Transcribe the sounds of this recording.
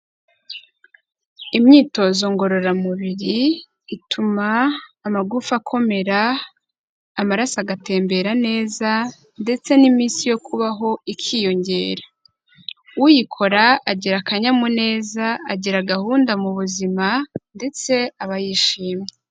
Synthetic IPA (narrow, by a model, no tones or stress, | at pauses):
imɲiːto̞ːzo̞ŋɡo̞ɾo̞ɾamuβiɾiː | tʰumaːmaɡufakʰo̞me̞ɾa | maɾasaɡate̞ːmbe̞ɾane̞ːza | nde̞t͡se̞nimiːsijo̞kʰuβaɦo̞ikʰiːjo̞ɲɟe̞ːɾa | wujikʰo̞ɾaaɟiɾakaɲamune̞ːzaːɟiɾaɡahuːndamuβuzimande̞t͡se̞aβajiʃiːmje